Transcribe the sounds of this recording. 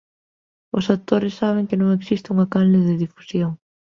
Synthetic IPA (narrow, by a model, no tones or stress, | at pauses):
ʊsat̪oɾɪsːaβ̞ɪŋkɪnõŋeksist̪ɪuŋakanleðɪðifu̥sjoŋ